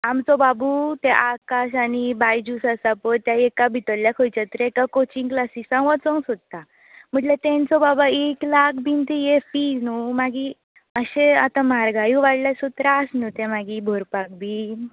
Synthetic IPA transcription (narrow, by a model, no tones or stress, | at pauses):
amt͡sɔbabut̪eʔakaɕañibajd͡ʑusəsapəɾt̪jaekabʱit̪əlljakʰojt͡ɕat̪əɾekakot͡ɕiŋklasiːsãŋɡʋət͡sɔ̃ŋɡsod̪̚t̪a | m̤əɳʈlet̪ẽnt͡sɔbabaeklakʰbint̪ejefiːd͡znumaɡi | əɕeat̪ãmaɾɡajũʋaɽlasut̪ɾasnut̪ẽmaɡibʱoɾpak̚bin